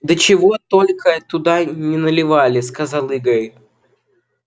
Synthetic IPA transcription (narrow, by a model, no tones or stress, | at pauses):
d̪ət͡ɕɪvo̞t̪o̞lʲkʰət̪ʊd̪anʲɪnəlʲɪvalʲɪskɐzalˠɨɡəj